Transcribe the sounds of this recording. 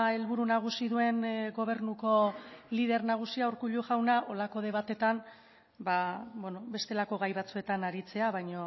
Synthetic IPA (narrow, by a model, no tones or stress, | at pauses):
e̞lβuɾunaɣ̞usiðue̞nɡo̞β̞e̞ɾnuko̞lið̞e̞ɾnaɣ̞usiauɾkuʎuʝawnaʔo̞lako̞ðe̞β̞at̪e̞t̪an | babweno̞be̞st̪e̞lako̞ɣajβat͡sue̞t̪anaɾit͡se̞aβajɲo̞